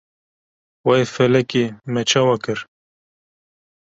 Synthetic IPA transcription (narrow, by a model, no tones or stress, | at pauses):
wɑefɛlɛkemɛt͡ʃʰɑːwɑkɨɾ